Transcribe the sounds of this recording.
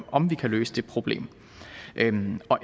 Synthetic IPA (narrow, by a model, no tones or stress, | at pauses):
ɒ̽mʋikʰæløːsəd̥e̝pʰʁo̝b̥le̝̰ːm | ʔøɒ̽ʔ